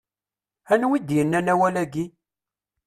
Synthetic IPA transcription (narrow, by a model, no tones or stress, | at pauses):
ænwid̪jənːænæwælæɡi